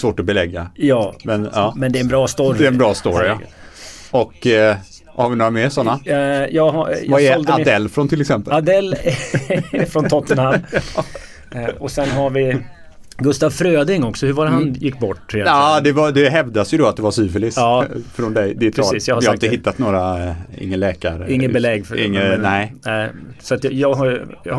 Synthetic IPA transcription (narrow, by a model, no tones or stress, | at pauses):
svoːʈɔbɛlɛɡːajɑːmɛnɑːmɛnd̪ɛɾɛnbɾɑːst̪ɔɾd̪ɛɾɛnbɾɑːst̪ɔɾa̰ | ɔkː | haɾvɪnoːɾamɛsɔnːajɑːɡɦajvaɛɔld̪ad̪ɛlːfɾɔnt̪ʰɪlɛksɛmpəad̪ɛlː | fɾɔnʰɔt̪ːənhamː | ɔsɛnɦaɾvɪ | ɡɵst̪avfɾøːd̪ɪŋɔksɔhɵɾvaːɾɦanjɪkːbɔʈːjɛlːd̪ɛvad̪ɛɦɛvd̪asjɵd̪ɔat̪̚d̪ɛvasyːfɛlɪsɑːfɾɔnd̪ɛjd̪ɛɛɾɛsːiːsjɑɡhajhaɾɪt̪əhɪt̪ːat̪noːɾaɪ̰ŋːənlɛːkaɾɪŋːəbɛlɛɡːfɪŋːənɛɪnɛɪsɔat̪jjɑːɡɦajjɑ